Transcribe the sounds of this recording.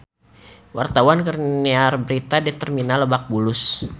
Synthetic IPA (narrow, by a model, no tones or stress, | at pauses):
wart̪awankərniarbəɾit̪adit̪ərminaləbak̚bulʊs